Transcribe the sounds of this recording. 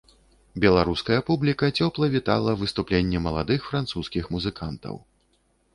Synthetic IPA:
bʲɛlˠaɾuskɐjɐpublʲikɐt͡sʲɔplˠɐvʲit̪a̰lˠɐvɨst̪uplʲenʲːɛmɐlˠa̰d̪ɨxfɾant̪suskʲixmuzɨkant̪ɐ̰w

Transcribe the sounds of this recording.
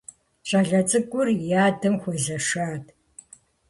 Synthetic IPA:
ɕʼɐɮɐt͡sʼɨkʷʼʊrjaːdɨmxʷɔzɐʂaːtʰʼ

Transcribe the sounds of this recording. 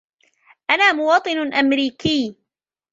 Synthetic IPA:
ʔanaːmʊwɑːt̪ˤɨnʔamɾiːkiː

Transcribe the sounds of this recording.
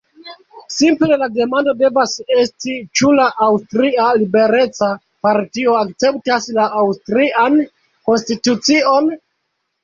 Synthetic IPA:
simple̞lade̞mando̞de̞vase̞stit͡ʃulaʔawstɾialibe̞ɾe̞t͡sa | paɾtio̞akt͡se̞ptaslaʔawstɾiʔan | ko̞nstitut͡sio̞n

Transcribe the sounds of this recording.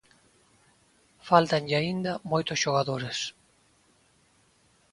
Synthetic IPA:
falt̪anʎaind̪ɐmojt̪ʊsʃoɣaðoɾes

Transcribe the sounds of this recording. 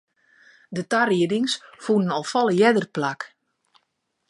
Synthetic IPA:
dətariədɪŋsfunənɔlˠfɔlˠəjɛdərplak

